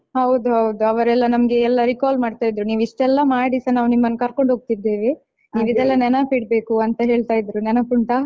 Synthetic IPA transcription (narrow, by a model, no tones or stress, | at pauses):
hɐwd̪uɦɐwd̪uɐʋɐɾɛlːɐnɐmɐɡe̞ːlːɐɾikaːlmaːɖt̪aːjd̪ɾuniːʋiʂʈɛlːɐmaːɽisɐnaːʋunimːɐnːkɐɾkoɳɖɦoːɡ̚t̪id̪eːʋi | niːʋid̪ɛlːɐnɛnɐpiɽbe̞ːkuɐnt̪ɐɦe̞ːɭt̪aːjid̪ɾunɛnɐpuɳʈa